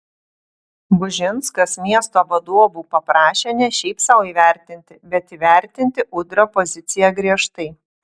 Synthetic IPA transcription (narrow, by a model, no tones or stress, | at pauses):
bʊʒʲɪnskɐsmʲiɛst̪oːʋɐd̪uɔbuːpɐpɾɑːʃʲeːnʲɛʃʲɛɪpsɐʊiːʋʲæˑɾʲt̪ʲɪnʲt̪ʲɪbʲɛt̪iːʋʲæˑɾʲt̪ʲɪnʲt̪ʲɪʔʊd̪ʲɾʲoːpɔzʲɪt̪sʲɪjɛɡɾʲiɛʃt̪ɐɪ